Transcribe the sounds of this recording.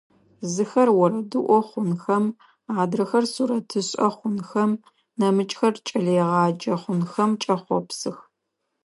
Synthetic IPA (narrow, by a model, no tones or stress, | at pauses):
zɨxɐrwɔɾɐdɨʔʷɔχʷʊnxɐm | aːdrɐxɐrsuɾɐtʰɨɕʼɐχʷʊnxɐm | nɐmɨt͡ʃʼxɐrt͡ʃʼɐɮɛʁɑːd͡ʒɐχʷʊnxɐmt͡ʃʼɐχʷɔ̰psɨx